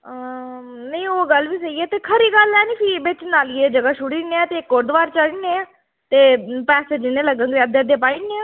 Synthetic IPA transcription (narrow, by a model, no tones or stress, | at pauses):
nəĩoːɡəlʋiːsəiːɛːt̪eːkʰəɾiːɡəlɛːnĩːpʰɪɾibɪt͡ʃnaːljeːd͡ʒəɡaːʃʊɽiːneːãːt̪eːɪkːoːɾd̪əʋaːɾt͡ʃəliːneːãː | t̪eːpɛːseːd͡ʒɪnẽːləɡə̃ŋɡɾeəd̪eːd̪eːpaːiːneːãː